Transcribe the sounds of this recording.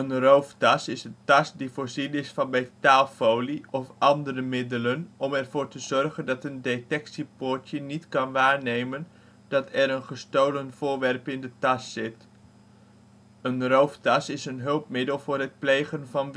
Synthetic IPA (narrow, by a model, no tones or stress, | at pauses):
ənrowftɑsɪsəntɑsdivʊːɹzinɪsfɑnmejtaːlˠfowliɔfʔɑndərəmɪdələnɔmɛɹvʊːɹtəzɔɹχəndɑtəndetɛksipʊɹtjənitkɑnʋaːɹnejmən | d̥ɑtʰɛɾənχəstowlənv̥ʊːɹʋɛrpɪndətɑsːɪt | ənrowftɑsɪsənɦɵlˠpmɪdəlˠvʊːɹɦət̚plejχənvɑn